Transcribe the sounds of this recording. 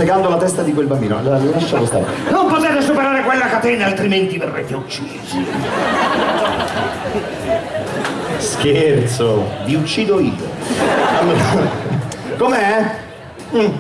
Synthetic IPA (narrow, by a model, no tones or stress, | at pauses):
eɡand̪olat̪ɛst̪ad̪ikwelbambiːnoa̰lːoɾalilaʃːakwost̪a̰ma̰nompot̪ɛːt̪esupeɾaːɾekwelːakat̪ɛːnaalt̪ɾiment̪iverːɛ̰d̪ːeut͡ʃːid̪st͡ʃi | skert̪soviut͡ʃːiːd̪oiːo̰alːoɾa | komeɛ | m̩